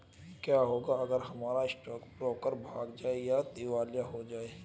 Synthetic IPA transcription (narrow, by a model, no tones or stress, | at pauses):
kjaːɦoːɡaɐɡəɾɦɐmaːɾaɪsʈɔːkpɾɔːkəɾbʱaːɡd͡ʒaːejat̪iʋaːljaɦod͡ʒaːeː